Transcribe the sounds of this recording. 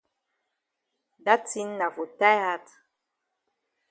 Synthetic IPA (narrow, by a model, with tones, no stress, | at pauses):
da˦ti˦nna˨vo˨ta˦ja˦t